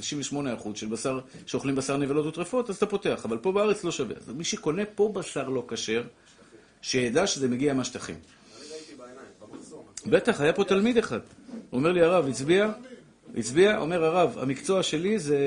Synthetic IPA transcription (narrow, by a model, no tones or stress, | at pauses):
iʃimveʃmo̞neaχudʃelbasaʁʃeoχlimbasaʁnevalo̞t̪ot̪ʁefo̞t̪azat̪apo̞t̪e̞aχavalpo̞beaʁet͡slo̞ʃavḛa̰miʃeko̞ne̞po̞basaʁlo̞kaʃe̞ʁ | ʃejed̪aʃeze̞meɡiamaʃt̪aχḭm | be̞t̪aχajapo̞t̪almid̪eχad̥̪ome̞ʁliaʁavit͡sbia | ḭt͡sbiaʔo̞̰me̞ʁaʁava̰mikt͡so̞aʃe̞lize